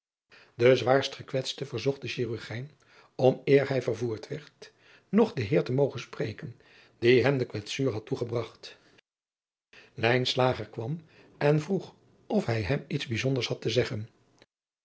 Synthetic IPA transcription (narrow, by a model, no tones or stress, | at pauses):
dəzʋaːɹstχəkʋɛtstəvəɹzɔχ̚dəʃiːryɹχɛjn | ɔmɪːɹɦɛjvəɹvuːɹtʋɛɹt | nɔχdəɦɪːɹtəmowχənsprejkən | d̥iɦɛmdəkʋɛtsyːɹɦɑtuχəbrɑχt | lɛjnslaːχəɹkʋɑm | ɛnvruχ | ʔɔfɦɛjɦɛmitzbizɔndəɹshɑtəzɛχən